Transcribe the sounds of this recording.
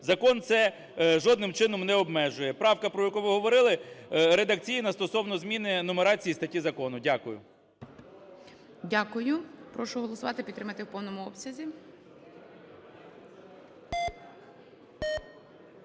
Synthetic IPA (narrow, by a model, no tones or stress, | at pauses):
zɐkɔnt̪sɛ | ʒɔd̪nɪmt͡ʃɪnɔmnɛɔbmɛʒʊjɛpɾɑwkɐpɾɔjɐkuʋɪɦɔʋɔɾɪlˠɪɾed̪ɐk̚t͡sʲijinɐst̪ɔsɔwnɔzmʲinɪnɔmeɾɑt͡sʲijist̪ɐtʲizɐkɔnʊdʲakʊjʊ̰ | dʲakʊjʊpɾɔʃʊɦɔlˠɔsʊʋɑt̪ɪpʲit̪t̪ɾɪmɐt̪ɪwpɔwnɔmʊɔpsʲɐzʲi